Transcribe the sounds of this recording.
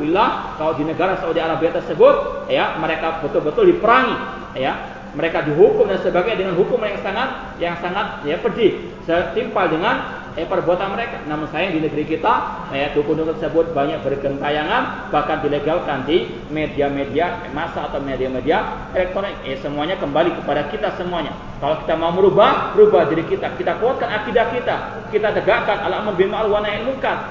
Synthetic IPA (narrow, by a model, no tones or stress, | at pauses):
ilahkalodinəɡaɾasawdialahbeat̪ərsəbʊt̪̚jaməɾekabət̪ʊlbət̪ʊldipəɾaŋi | ja | məɾekadiɦukʊmdansəbaɡadəŋanɦukʊmajaŋsaŋat̪̚ | jaŋsaŋat̪̚japərd͡ʒih | sət̪impaldəŋan | japərbuat̪anməɾekanamʊɲsajaŋdinəɡəɾikit̪a | j̚dukunduŋt̪ərsəbʊt̪̚baɲak̚bərɡənt̪ajaŋanbahkandileɡalkandi | mediamediamasaːt̪awmediamedia | elɛk̚t̪oɾɪesəmuaɲakəmbalikəpadakit̪asəmuaɲa | kaloki̥t̪amauməɾubahɾubahdiɾikit̪akit̪akoat̪̚kanakidahkit̪a | kit̪at̪əɡakanʔalamənbinmaalwanainmuŋkan